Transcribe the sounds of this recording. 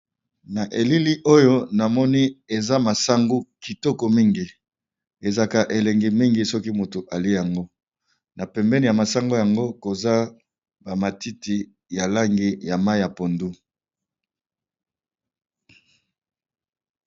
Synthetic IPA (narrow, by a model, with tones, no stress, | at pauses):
na˨ʔe˨li˦li˦ʔo˦jo˦na˨mɔ˦ni˦e˨za˦ma˨sa˦ŋɡu˦ki˨tɔ˦kɔ˨mi˦ŋɡi˨ | e˨za˨ka˨ʔe˨lɛ˨ŋɡi˨mi˦ŋɡi˨sɔ˦ki˦mu˨to˨ʔa˨li˦e˦ja˨ŋɡo˦ | na˨pɛ˨mbɛ˦ni˨ja˨ma˨sa˦ŋɡo˦ja˨ŋɡo˦ko˨za˦ | ba˨ma˨ti˦ti˨ | ja˨la˦ŋɡi˦ja˨ma˦i˦ja˨po˨ndu˦